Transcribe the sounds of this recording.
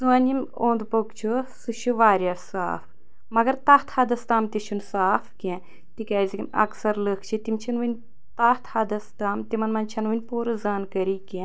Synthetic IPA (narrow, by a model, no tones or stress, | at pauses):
suɐnʲimʲoːnd̪pokt͡ʃʰusɨʃuʋaːɾʲjɐsa̰ːf | mɐɡɐɾt̪ɐːht̪ʰhɐd̪ɐst̪aːmt̪iʃʰunsaːfkʲẽ | t̪ikʲaːzʲikʲinɐ̰ksɐɾləkʰt͡ʃʰit̪imt͡ʃʰinʋɨnʲ | t̪aht̪ʰhɐd̪ɐst̪aːmt̪imɐnmɐnt͡ʃʰɐnʋɨnʲpoːɾɨzaːnkɐɾikʲẽ